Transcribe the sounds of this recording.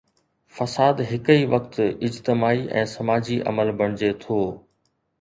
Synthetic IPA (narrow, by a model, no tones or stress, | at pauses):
fɐsaːd̪ɦɪkəiʋɐkt̪ɪd͡ʑt̪ɪmaːiʔɛ̰̃ːsɐmaːd͡ʑiʔɐ̰məlbɐɽ̃ɪd͡ʑet̪ʰoː